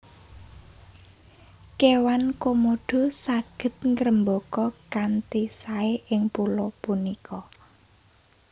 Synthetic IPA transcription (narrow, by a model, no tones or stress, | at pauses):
kewankomoɖ̪̥o̤saɡ̥ə̤t̪̚ŋɾəmbokɔkant̪isaeʔɪŋpulopunikʰɔ